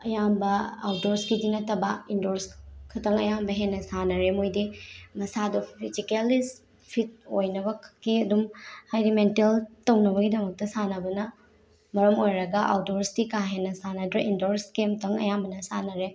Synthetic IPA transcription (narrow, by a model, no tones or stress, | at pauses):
ɐjambɐawtoɾskidinɐtɐbɐindoɾskʰɐtɐŋɐjambɐɦenːɐsanɐɾemojdimɐsadupʰizikelis | pʰit̚ojnɐbɐkiɐdumhajdimenteltɐwnɐbɐɡidɐmɐk̚tɐsanɐbɐnɐ | mɐɾɐmojɾɐɡɐʔa̰wtoɾsdikaɦenːɐsanɐdɾɐʔindoɾskemtɐŋɐ̰jambɐnɐsanɐɾe